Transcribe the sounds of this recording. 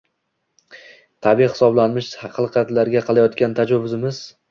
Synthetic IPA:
t̪ʰabijhɪ̥sɒblanmɪʃhɑqʰɨlˠqʰɑt̪laɾɡʲaqʰɑlˠajɒt̪kʲant̪ʰad͡ʒɒvʊzɪmɪz̥

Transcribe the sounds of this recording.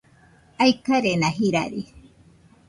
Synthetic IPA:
ajkaɾenãɦiɾa̰ɾi

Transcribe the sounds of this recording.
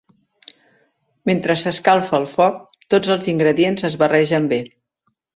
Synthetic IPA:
ment̪ɾəsəskalˠfəːlˠfɔk̚ | t̪od͡zəlˠziŋɡɾəðienzəzβərɛʒəmbe

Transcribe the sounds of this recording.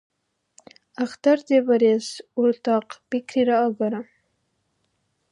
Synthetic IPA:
axt̪aɾd̪evaɾesʊɾt̪ɑqpikɾiɾɑːɡaɾa

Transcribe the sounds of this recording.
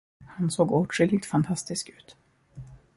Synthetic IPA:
hansoːɡuːʈʂʏlːɪt̪fant̪ʰast̪ɪskʉ̟ːt̪

